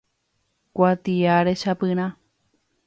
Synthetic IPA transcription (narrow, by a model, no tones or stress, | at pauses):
kʷat̪iaɾeʃapɨɾ̃ã